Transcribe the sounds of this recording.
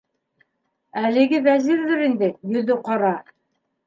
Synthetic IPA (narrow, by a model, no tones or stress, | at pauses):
ælɘ̆ɡɘvæziɾðɘɾind̪ɘjɵ̆ðɵqɑɾɑ